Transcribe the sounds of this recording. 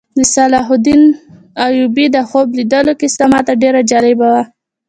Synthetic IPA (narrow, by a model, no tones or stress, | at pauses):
d̪əsalɑɦʊd̪in | ajubid̪əxoblid̪əlokɪst̪amɑt̪aɖeɾad͡ʒɑlɪbawa